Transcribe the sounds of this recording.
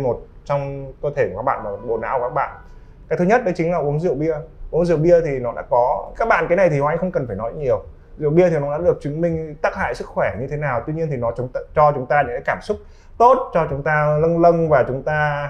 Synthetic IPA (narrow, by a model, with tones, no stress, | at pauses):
mo˨˩t̚ | t͡ɕɔ˧wŋ͡mkəː˧t̪ʰe˧˩kaː˦˥k̚ɓa̰ː˧˨nmaː˨˩˨ɓo̰˧˩na̰ː˧˥wkaː˦˥k̚ɓa̰ː˧˨n | kaː˨˦jt̪ʰɨ˧ɲə˦˥t̚ɗə˨˦jt͡ɕŋ̟laː˨˩ʔu˨˦əŋzɨ̰˧˨əwɓi˧əʔu˨˦əŋzɨ̰˧˨əwɓi˧ət̪ʰi˨˩nɔ˨˦ɗa̰ː˧˥kɔ˨˦kaː˦˥k̚ɓa̰ː˧˨nkaː˨˦jna˨˩jt̪i˨˩hɔ˨˩ʔa˧ŋ̟xə˧ŋ͡mkə˨˩nfaː˧˩jnɔ˨˦jɲi˨˩əw | zɨ̰˧˨əwɓi˧ət̪ʰi˨˩nɔ˨˦ɗa̰ː˧˥ɗɨ˨˩ək̚t͡ɕɨ˨˦ŋmï˧ŋ̟t̪aː˦˥k̚ha̰ː˧˨jsɨ˦˥k̚xwɛ˧˩ɲɨ˧e˨˦naː˨˩wt̪wi˧ɲi˧ənt̪ʰi˨˩nɔ˨˦˨ŋ͡mt͡ɕɔ˧t͡ɕʊ˨˦ŋ͡mt̪aː˧ɗə˨˦a̰ː˧˥kaː˧˩msʊ˦˥k͡p̚ | t̪o˦˥t̚t͡ɕɔ˧t͡ɕʊ˨˦ŋ͡mt̪aː˧lə˧nlə˧nvaː˨˩t͡ɕʊ˨˦ŋ͡mt̪aː˧